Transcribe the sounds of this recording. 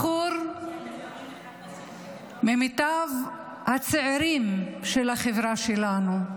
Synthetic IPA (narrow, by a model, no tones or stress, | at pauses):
uɾ | memit̪av | hat͡seʕeɾimʃelhaχevʁaʃelanu